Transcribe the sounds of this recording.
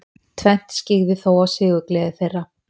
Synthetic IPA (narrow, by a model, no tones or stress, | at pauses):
t̪ʰvɛn̥t̪scɪɣvɪθowawsɪːɣʏklɛːðɪθejrːa